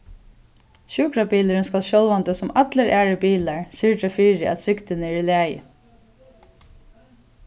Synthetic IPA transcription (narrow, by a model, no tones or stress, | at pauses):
ɕuːkɾabiːləɾənskalʃjɔlʋant̪əsʊmat̪ləɾʔæːɹəbiːlaɹsɪɹʈɾɛfiːɾɪʔa̰t̪ʰɾɪkt̪ɪnəɛɹlæːjɪ̰